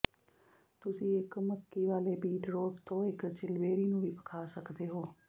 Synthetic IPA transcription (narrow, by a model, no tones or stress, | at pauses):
t̪ʊsĩːɪkməkːiːʋaːleːbiːɖɾoːʈt̪õːɪkt͡ʃɪlʋeːɾiːnũːʋiːpəkʰaːsəkd̪eːɦoː